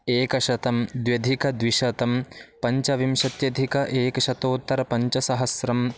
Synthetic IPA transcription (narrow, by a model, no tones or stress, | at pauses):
eːkɐʃɐt̪ɐmd̪ʋjɐd̪ʱikɐd̪ʋiʃɐt̪ɐmpɐɲt͡ʃɐʋimʃɐt̪jɐd̪ʱikɐʔeːkɐʃɐt̪oːt̪ːɐɾɐpɐɲt͡ʃɐsɐɦɐsɾɐm